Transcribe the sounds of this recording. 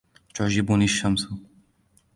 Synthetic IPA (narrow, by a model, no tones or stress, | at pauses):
t͡ʃɔʒibuniːʃɐmsu